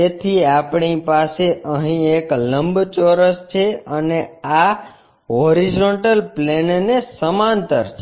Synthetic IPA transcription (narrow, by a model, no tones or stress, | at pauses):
et̪ʰiapɳ̃ipaseʔəɦĩekləmbt͡ʃoɾəst͡ʃʰeənea | ɦoɾid͡ʒoɳʈəlplennesəmant̪əɾt͡ʃʰe